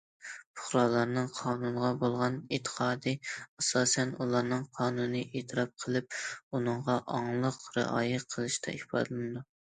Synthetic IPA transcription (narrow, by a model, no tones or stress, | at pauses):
pʰʊ̥χɾɑːlˠɑɾnɨŋqʰɑːnunʁɑbolˠʁɑnet̪ʰːə̥qʰɑːd̪ɨɑsɑːsɛnulˠɑɾnɨŋqʰɑːnunɨʔet̪ʰɨɾɑp̚qʰəlˠɨp̚unɨɴʁɑʔɑŋlˠəqɾɨ̰ʔɑ̰ːjɪqʰəlˠɨʃt̪ʰɛ̰ihpɑ̰d̪ɨlˠɨmɨd̪u